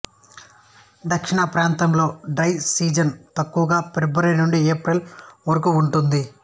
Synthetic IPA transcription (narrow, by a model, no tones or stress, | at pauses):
d̪ɐkʂiɳɐpɾaːnt̪ɐmlo̞ːɖɾɐjsiːd͡ʒɐnt̪ɐkːuʋɐɡaːpeɾbɐɾɐjnuɳɖieːpɾilʋɐɾɐkuuɳʈund̪i